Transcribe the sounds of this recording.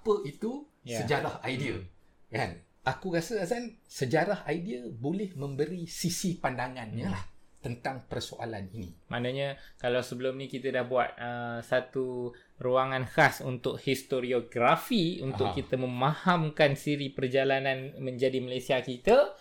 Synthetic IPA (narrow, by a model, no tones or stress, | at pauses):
apəit̪u | jasəd͡ʒaɾahajdiə̰ | ka̰n | ʔakukasəasansəd͡ʒaɾahajdiəbolɪhmə̃mbəɾisisipandaŋanɲãlaht̪ənt̪aŋpərsoʔa̰la̰ninḭ̃manaɲakalawsəbəlʊmnĩkit̪ədahbuat̪̚əsat̪u | ruaŋanhasunt̪ʊk̚hist̪oɾioɡɾafiunʊkkit̪əmə̃mahamkansiɾipərd͡ʒalananmə̃ɲd͡ʒadiməlajsiakit̪a